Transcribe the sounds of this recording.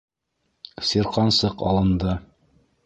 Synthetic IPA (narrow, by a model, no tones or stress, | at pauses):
siɾqɑnsɤqɑ̰lˠɤ̆nd̪ɤ